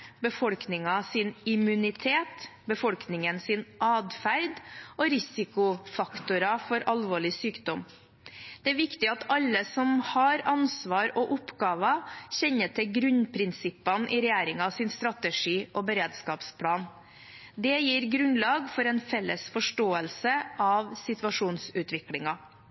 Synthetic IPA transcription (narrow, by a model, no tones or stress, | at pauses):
bəfɔlknɪŋɑsɪnɪmʉnɪt̪ʰeːt̪bəfɔlknɪŋənsɪnʔɑːd̪fæɾd̪ɔɾɪsɪkʊfɑkt̪ʊɾɑfɔɾʔɑlʋoːɭɪsyːkd̪ɔm | d̪̥ɛæʋɪkt̪ɪɑt̪ɑlːəsɔmhɑɾɑnsʋɑːɾɔʔʊpɡɑːʋɑçɛɲːəʈʰɪlɡɾʉnpʰɾɪnsɪpːɑnʔɪɾɛjæːɾɪŋɑsɪnst̪ɾɑt̪əʂiːʔɔbəɾeːd̪skɑːpspʰlɑːn | d̪ɛjiːɾɡɾʉnlɑːɡfɔɾɛnfɛlːəsfɔʂʈoːəlsəʔɑʋsɪt̪ʋɑʂuːnsʉːt̪ʋɪklɪŋɑ